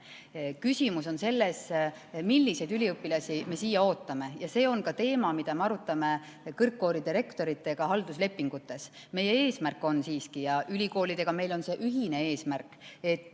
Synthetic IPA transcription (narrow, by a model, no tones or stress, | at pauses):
kysʲimuso̞nse̞lːes | milːise̞jd̪ylʲiɯpːˑilɑsime̞siːjɑo̞ːt̪ːˑɑme̞jɑse̞ːo̞nkɑt̪e̞ːmɑmid̪ɑme̞ɑɾut̪ːˑɑme̞ | kɤrkːo̞ːɾid̪iɾe̞kt̪o̞ɾit̪ːˑe̞ɡ̥ɑɦɑld̪usle̞pːiŋɡ̥ut̪ːˑe̞s | me̞jːe̞e̞ːsmærkːˑo̞nsiːskijɑʔylʲiko̞ːlid̪̥e̞ɡ̥ɑme̞jlo̞nse̞ːʔyɦine̞e̞ːsmærkːˑe̞t̪ːˑ